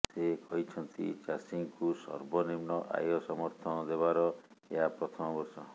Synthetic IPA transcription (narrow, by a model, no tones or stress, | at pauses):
sekɔɦit͡ʃʰɔnt̪ḭt͡ʃasiŋkusɔ̰ɾbɔnimɳɔʔa̰jɔsɔmɔɾt̪ʰɔnɔd̪eβaɾɔeɦapɾɔt̪ʰɔmɔbɔɾsɔ